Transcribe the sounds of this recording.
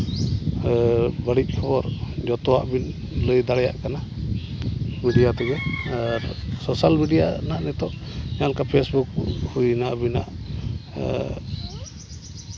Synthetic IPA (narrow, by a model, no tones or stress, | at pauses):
bəɽic̚ˀkʰɔbɔɾd͡ʒɔt̪ɔwa̰ʔbin | ləjd̪aɽɛja̰ʔkana | miɖijat̪ɛɡɛaɾsɔsalmiɖija̰naʔnɛt̪ɔʔɲankapʰesbuk̚hujnaʔbina̰ʔ